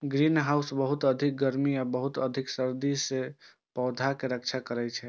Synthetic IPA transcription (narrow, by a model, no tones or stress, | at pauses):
ɡɾinɦausbəɦut̪əd̪ʱik̚ɡəɾmiabəɦut̪əd̪ʱiksəɾd̪ise | pɔːd̪ʱakeɾək̚t͡ʃʰakəɾɛt͡ʃʰɛ